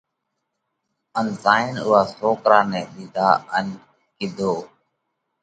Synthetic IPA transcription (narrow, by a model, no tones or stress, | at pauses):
ənzaːɪnʊ̰ːɦaːsoːkɾaːnɛːɗɪd̪ʱaːən | kɪd̪ʱoː